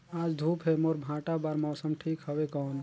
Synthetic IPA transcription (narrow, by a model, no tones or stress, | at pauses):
aːd͡ʒd̪ʱuːpɦemoːɾbʱãːʈabaːɾmɔːsəmʈʰiːkɦəʋekɔːn